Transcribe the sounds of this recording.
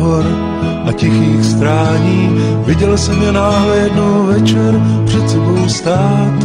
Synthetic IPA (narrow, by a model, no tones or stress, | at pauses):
ɦoɾ | ʔacɪxiːxst̪ɾaːɲiːvɪɟɛlsɛmjɛnaːɦlɛjɛdnowvɛt͡ʃɛɾpr̥ɛt̪sɛbo̞wst̪aː | t̪